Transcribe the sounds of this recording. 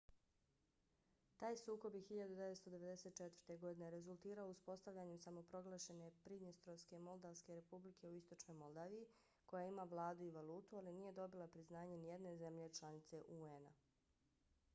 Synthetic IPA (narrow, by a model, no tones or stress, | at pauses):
t̪aːjsuːko̞bjexiʎad̪ud̪eʋet̪st̪o̞d̪eʋe̞d̪ese̞t̪̚t͡ʃet̪ʋər̥t̪e̞ɡo̞d̪ine̞ɾe̞zulˠt̪iːɾaouspo̞st̪aʋʎʲaɲemsamo̞pɾo̞ɡlˠaʃe̞ne̞pɾid̪nist̪ɾo̞ske̞mo̞lˠd̪aʋske̞ɾe̞publikʰe̞uist̪o̞t͡ʃno̞jmo̞lˠd̪aːʋiji | ko̞jaimaʋlˠaːd̪uiʋalˠuːt̪ualiniːje̞d̪o̞bilˠapɾiznaːɲe̞nije̞d̪ne̞ze̞mʎe̞t͡ʃlˠanit̪se̞ʔuena